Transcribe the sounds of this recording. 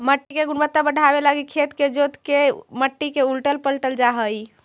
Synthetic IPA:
məʈːikeɡunbət̪ːabəɖʱabelaɡikʰet̪ked͡ʒot̪keməʈːikeulʈəlpəlʈəld͡ʒaɦəj

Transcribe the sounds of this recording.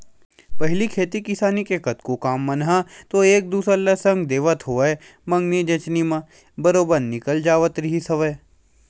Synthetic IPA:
pɐɦlikʰeːt̪ikɪsaːnikekɐt̪kokaːmːɐnɦat̪oeːk̚d̪uːsɾəlːəsɐ̃ŋɡd̪eːʋət̪ɦoːe | mɐ̃ŋɡnid͡ʒɐt͡ʃnimã | bɐɾoːbənɪkəld͡ʒaːʋət̪ɾɪɦisɐʋəː

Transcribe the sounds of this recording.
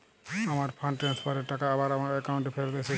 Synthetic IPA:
amaɾpʰanʈɾanspaɾeɾʈakaabaɾamaɾɛkawɳʈɛpʰeɾt̪ajsɛ

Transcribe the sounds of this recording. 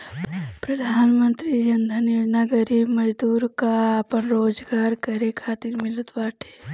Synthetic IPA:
pɾəd̪ʱaːnmə̃nt̪ɾid͡ʒɐnd̪ʱənɾnaɡəɾibməd͡ʒd̪uːɾkaɐpənɾoːd͡ʒɡaːɾkɐɾekʰaːt̪iɾmɪlət̪baːʈʰe̥ː

